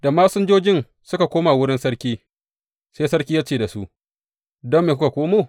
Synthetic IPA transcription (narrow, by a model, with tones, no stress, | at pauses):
d̥a˨maː˦sʊ˦nd͡ʒoː˦d͡ʒɪ˦n | sʊ˦ka˨kʷoː˦ma˨wʊ˦ɽɪ˦nsɐ˦ɽkʲiː˦ | seː˦sɐ˦ɽkʲiː˦jaː˦t͡ʃeː˦˨da˨su˦ʔ | dɔ˦mːeː˨k̬ʷʊ˦ka˨kʷoː˦moː˦˨